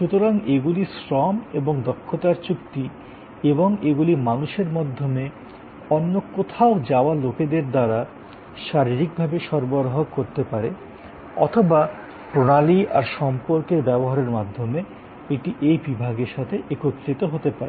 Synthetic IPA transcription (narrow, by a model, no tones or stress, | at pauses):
ʃut̪oɾaŋeɡulisɾɔmeboŋd̪ɔkʰːot̪aɾt͡ɕukt̪i | eboŋeɡulimanuʃeɾmad̪ʱːome | ɔnːokot̪ʰaod͡ʑaoaloked̪eɾd̪aɾa | ʃaɾiɾik̚bʱabeʃɔɾboɾoɦokoɾt̪epaɾe | ɔ̰t̪ʰoba | pɾonaliʔa̰ɾʃɔmpoɾkeɾbɛboɦaɾeɾmad̪ʱːome | eʈiʔejbibʱaɡeɾʃat̪ʰeʔekot̪ːɾit̪oɦot̪epaɾe